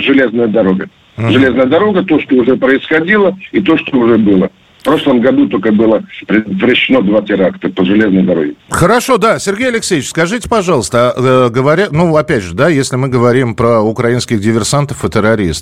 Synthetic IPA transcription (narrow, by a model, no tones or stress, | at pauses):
ʐɨlʲeznəjəd̪ɐɾo̞ɡə | ʐɨlʲe̞znəjəd̪ɐɾo̞ɡət̪o̞ʂt̪oʊʐɛpɾəɪsxɐdʲilˠəit̪o̞ʂt̪oʊʐɛbɨlˠə | fpɾo̞ʂlˠəmɡɐd̪ut̪olʲkəbɨlˠəpɾʲɪd̪ət̪vɾɪɕːɪnod̪vatʲɪɾakt̪əpəʐɨlʲe̞znəjd̪ɐɾo̰ɡʲɪxəɾɐʂo̞d̪asʲɪrɡʲejɐlʲɪksʲejɪt͡ɕskɐʐɨtʲɪ̥pɐʐɑlˠəst̪əɡəvɐɾʲat̪nuɐpʲædʲʐɨd̪ajesʲlʲɪmɨɡəvɐɾʲimpɾəʊkɾɐinskʲɪɣdʲɪvʲɪrsant̪əfɨt̪ɪɾɐɾʲḭst̪